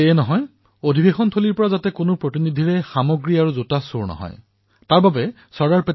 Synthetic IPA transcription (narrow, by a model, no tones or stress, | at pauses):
eɛnɔɦɔj | odʱibexɔntʰoliɹpɔɹazatɛkonopɹotinid̪ʱiɹɛxamɔɡɹiaɹuzotasuɹnɔ̰ɦɔ̰j | taɹbabɛ | sɔɹɡaɹpe